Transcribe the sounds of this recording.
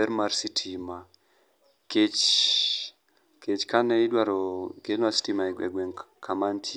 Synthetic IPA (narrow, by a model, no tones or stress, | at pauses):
ɛɾmaɾsitʰima | ket͡ʃ | ket͡ʃkanɛidwaɾɔkemasi̥timaɛɛ̰ɡwɛŋkʰamantʰi